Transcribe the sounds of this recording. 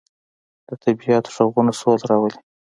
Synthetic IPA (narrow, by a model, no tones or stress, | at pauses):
d̪̥ət̪ʰabijɑt̪o̥ʒaɣunasolɾɑwəli̥